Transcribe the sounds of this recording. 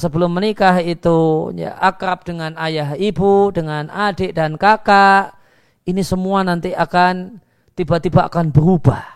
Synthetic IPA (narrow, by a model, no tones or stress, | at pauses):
səbəlʊmːənikaɦit̪uja̰ʔakap̚d̥əŋanajaɦibudəŋanadeʔdankakaʔ | inisəmuanant̪iakan | t̪ibaʔt̪ibaʔa̰kanbəɾubah